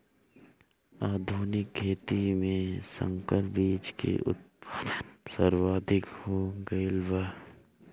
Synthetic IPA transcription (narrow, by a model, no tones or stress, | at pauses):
aːd̪ʱuːnɪkʰːeːt̪imẽsə̰̃ŋkəɾbiːd͡ʒkḛʔʊ̰t̪̚paːd̪ənsəɾwaːd̪ʱɪkhoɡəlʋa